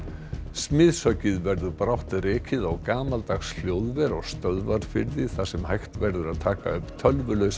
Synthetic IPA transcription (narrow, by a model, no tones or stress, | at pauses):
smɪðsœɥcɪðvɛɾðʏɾpɾawht̪rɪːcɪðawkaːmalt̪aɣsl̥joːwðvɛɾɔɣst̪œðvaɾfɪɾðɪθasɛmhajht̪vɛɾðʏɾaðt̪ʰaːka̰ʏpt̪ʰœlvʏlœɥs